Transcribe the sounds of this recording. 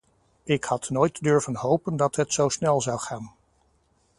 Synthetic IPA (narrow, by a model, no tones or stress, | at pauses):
ɪkhɑtnoːjtdʏɹvənɦowpəndɑtɦətsowsnɛlˠzɑwχaːn